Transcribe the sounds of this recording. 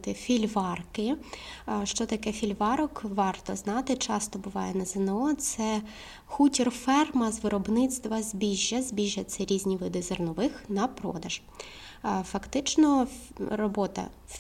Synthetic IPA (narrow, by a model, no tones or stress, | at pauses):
t̪ɪfʲilʲʋɑrkɪ | ʃt͡ʃɔt̪ɐkɛfʲilʲʋɑɾɔkʋɑrt̪ɔznɑt̪ɪt͡ʃɑst̪ɔbʊʋɑ̰jɛnɐzɪnɛɔt̪sɛ | xutʲirfɛrmɐzʋɪɾɔbnɪst̪ʋɐzʲbʲiʒʲːɐzʲbʲiʒːɐt͡s̪ʲɛɾʲizʲnʲiʋɪd̪ɪzɔrnɔʋɪxnɐpɾɔ̰d̪ɐʒ̥ | fɐkt̪ɪt͡ʃnɔrɔbɔt̪ɐ̰